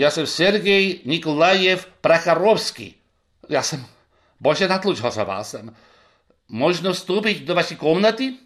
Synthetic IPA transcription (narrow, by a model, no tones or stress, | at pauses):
jasɛmsɛɾɡɛjɲikɔlajɛfpɾaxaɾɔwskḭ | jaːsɛm | bɔʒɛnat̪lˠut͡ʃɦɔza̰ʋa̰ːsɛm | mɔʒnɔfst̪uːp̬iɟd̪ɔʋaʃɛkɔmnat̪i